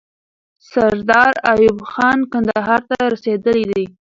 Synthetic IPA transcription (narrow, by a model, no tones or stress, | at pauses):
saɾd̪ɑɾajubxɑnkand̪aɦɑɾt̪aɾased̪əlid̪i